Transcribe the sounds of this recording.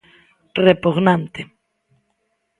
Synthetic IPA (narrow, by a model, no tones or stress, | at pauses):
repuɣnãnt̪e